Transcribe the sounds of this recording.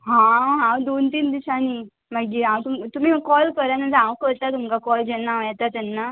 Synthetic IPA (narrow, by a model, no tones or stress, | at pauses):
ɦãɦãd̪ont̪iːnd̪iɕani | maɡiãt̪umt̪um̤iːkɔlkəɾanad͡zãʋkəɾt̪at̪umkakɔld͡ʑɛnːaʋjɛt̪at̪anːa